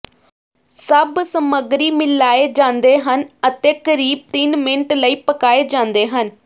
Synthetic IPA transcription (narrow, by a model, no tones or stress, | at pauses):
səbsəməɡɾiːmɪlaːeːd͡ʒãːnd̪eːɦənət̪eːkəɾiːb̚t̪ɪnmɪnəʈləiːpəkaːeːd͡ʒãːnd̪eːɦən